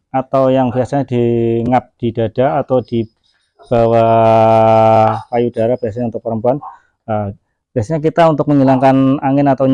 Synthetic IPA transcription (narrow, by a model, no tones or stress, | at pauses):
at̪awjaŋbiasaɲad̥iŋap̚d̥id̥a̤d̥aːt̪awd̥i | b̥awa | kajud̥aɾahb̥iasaɲant̪ʊpəɾəmpuan | ə | b̥iasaɲak̬it̪aunt̪ʊk̚məɲilaŋkanaŋɪnat̪aw